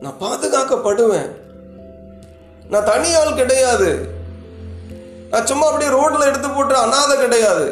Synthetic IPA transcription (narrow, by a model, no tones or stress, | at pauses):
nã̰ːpaːðɯɣaːkɐpːɐɽɯʋḛ̃ː | nãːt̪ɐɳɪjaːlkɪɽɐjaːðɯ | nãːsʊmːɐɐpːɐɽɪjɾoːʈːɪlɐɛɽɯt̪̬ːɯpːoːʈːɾɐɐnaːðɐkɪɽɐjaːðɯ̰